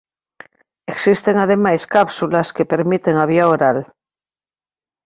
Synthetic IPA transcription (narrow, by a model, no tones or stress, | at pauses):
eksist̪eŋað̞e̞majskapsulaske̞peɾmit̪eŋaβ̞iaoɾal